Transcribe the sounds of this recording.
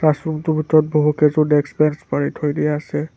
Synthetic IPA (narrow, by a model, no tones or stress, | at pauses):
asumtʊbʱitɔɹɔt̚boɦukezʊdeksbɛnspaɹitʰhojdijaːsɛ